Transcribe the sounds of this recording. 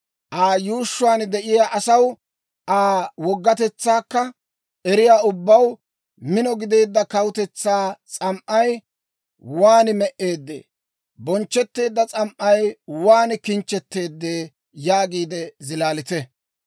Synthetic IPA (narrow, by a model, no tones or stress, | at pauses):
ʔaːjuːʃːʊaːnd̪ɛʔɪjaːʔɐsɐw | ʔaːwɔɡːɐt̪ɛt͡sːaːkːɐ | ʔɛɾɪjaːʊbːɐw | mɪnɔɡɪd̪e̞ːd̪ːɐkɐwʊt̪ɛt͡sːaːt͡sʼɐmʔɐj | waːnmɛʔe̞ːd̪ːḛː | bɔnt͡ʃːɛt̪ːe̞ːd̪ːɐt͡sʼɐmʔɐjwaːnkɪnt͡ʃːɛt̪ːe̞ːd̪ːeː | jaːɡiːd̪ɛzɪlaːlɪt̪ɛ